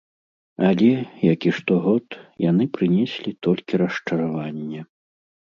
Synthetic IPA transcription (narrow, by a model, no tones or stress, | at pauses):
ɐlʲɛjakʲiʂt̪ɔɣɔt̪janɨpɾɨnʲɛsʲlʲit̪ɔlʲkʲiɾɐʂt͡ʂɐɾavanʲːɛ